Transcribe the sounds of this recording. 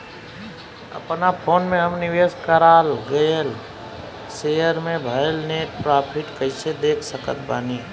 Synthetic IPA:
ə̰pnapʰoːnmẽɦəmnɪʋeːskəɾaːlɡejəl | seːjəɾmẽbʱəlneːʈ̚pɾaːpʰɪʈkəɪsed̪eːkʰsəkət̪̚ʰbaːniː

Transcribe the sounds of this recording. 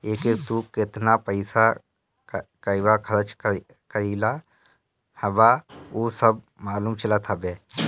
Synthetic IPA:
eːkek̚t̪ukɪt̪napəɪsa | kəjʋakʰɐɾət͡ʃ | kəɾila | həbaosəb̚ | maːluːmt͡ʃʰəlat̪ʰabeː

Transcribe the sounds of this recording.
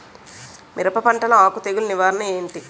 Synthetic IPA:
mʔiɾɐpɐpɐɳʈɐnɐaːkut̪eɡulniʋaːɾɐnɐeːɳʈi

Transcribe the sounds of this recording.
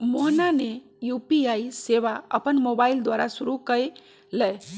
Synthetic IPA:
moɦnane | jupiaiseβaə̰pənmobaild̪waɾasuɾukəj | ləj

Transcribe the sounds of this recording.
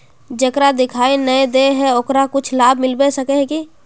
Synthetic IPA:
d͡ʒəkɾad̪ɪkʰaːinəed̪eɦɛokɾakʊt͡ʃʰlaːbʱmɪlbesəkeɦki

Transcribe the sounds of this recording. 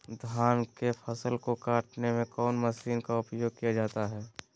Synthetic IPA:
d̪ʱaːnkepʰəsəlkokaːʈnemẽkɔːnməsiːnkaʊpjoːɡ̚kijad͡ʒaːt̪aɦɛː

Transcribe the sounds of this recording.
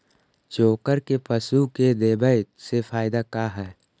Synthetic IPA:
t͡ʃoːkəɾkepəsuked̪eːbəɪt̪sefaːɪd̪akaːɦɛː

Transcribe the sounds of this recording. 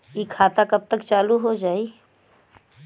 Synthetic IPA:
ikʰaːt̪akɐb̚t̪ɐkt͡ʃaːluɦod͡ʒaːiː

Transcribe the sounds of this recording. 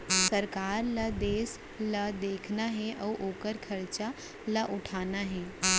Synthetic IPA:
səɾkaːɾlad̪eːs | lad̪eːkʰnaɦɛ̃ʔawʔoːkəɾkʰəɾt͡ʃa | laʔʊʈʰaːnaɦɛ̃

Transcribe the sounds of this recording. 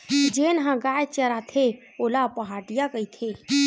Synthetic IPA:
d͡ʒeːnɦãɡaːjt͡ʃəɾat̪ʰe | oːlapəɦaːʈijakəit̪ʰeː

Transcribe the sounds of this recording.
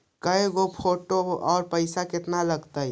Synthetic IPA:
kəeɡopʰoːʈoɔːɾpəɪsakɪt̪naləɡt̪aj

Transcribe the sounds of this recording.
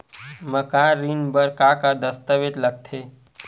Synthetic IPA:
məkaɾinbəɾkakad̪əst̪əʋet̪ləɡ̚t̪ʰe

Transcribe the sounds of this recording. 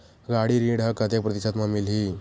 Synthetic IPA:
ɡaɽiːɾĩːɽɦəkːət̪jakpɾət̪iɕsat̪mamilɦiː

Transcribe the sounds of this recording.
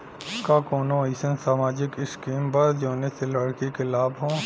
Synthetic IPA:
kakoːnõiɪsənsaːmaːd͡ʒɪkɪskiːmbəɾd͡ʒoːneselɐɽkikelaːbɦõː

